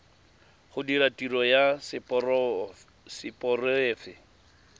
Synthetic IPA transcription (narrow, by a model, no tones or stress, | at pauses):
χʊdiɾatirɔjas | sɪpʼɔreːfɪ